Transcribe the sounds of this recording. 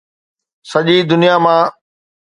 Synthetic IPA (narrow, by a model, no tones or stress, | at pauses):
sɐʄid̪ʊnijamãː